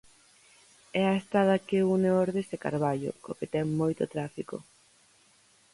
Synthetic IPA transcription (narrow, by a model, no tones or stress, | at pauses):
ɛɐest̪aðɐkeuneɔɾðeseka̰ɾβaʎʊ̰oket̪ɛŋmojt̪ʊt̪ɾafiko̰